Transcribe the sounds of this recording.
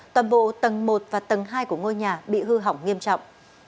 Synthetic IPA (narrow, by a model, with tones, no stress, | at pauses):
t̪waː˨˩nɓo̰˧˨t̪ə˨˩ŋmo˨˩t̚vaː˨˩t̪ə˨˩ŋɦaː˧jku˧˩əŋo˧jɲaː˨˩ɓḭ˧˨hɨ˧ɦa˨˧˩wŋ͡mŋi˧əmt͡ɕɔ̰˧˨wŋ͡m